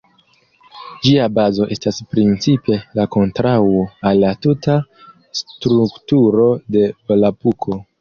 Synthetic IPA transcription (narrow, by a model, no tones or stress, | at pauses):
d͡ʒiabazo̞ʔe̞staspɾint͡sipe̞lako̞ntɾawo̞alːatuta | stɾuktuɾo̞de̞vlapukʰo̞